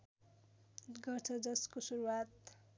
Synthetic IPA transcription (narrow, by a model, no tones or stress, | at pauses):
ɡʌrt͡sʰʌd͡zʌskosuɾuwat̪